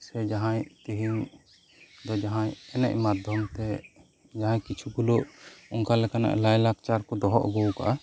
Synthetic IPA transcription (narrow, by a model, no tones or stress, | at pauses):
sɛd͡ʒaɦãɲt̪iɦiɲ | d̪ɔd͡ʒaɦãɲɛnɛ̰ʔmad̪ʱjɔmt̪ɛ | d͡ʒaɦãɲkit͡ʃʰuɡuloʔuŋkalɛkana̰ʔlajlak̚t͡ʃaɾkɔd̪ɔɦɔ̰ʔɡuwka̰ʔa